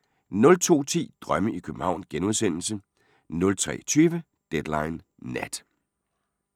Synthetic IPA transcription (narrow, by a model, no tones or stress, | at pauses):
nɔ̽lt͡sʰo̝̰ːt͡sʰḭːd̥ʁɶməʔikʰøb̥m̩hɑ̈ʊ̰nsɡ̥enuð̞ˠsen̰l̩sə | nɔ̽lt͡sʰʁɛ̰ːt͡sʰyːʋə | d̥ed̥lɑ̈ɪnː | æd̥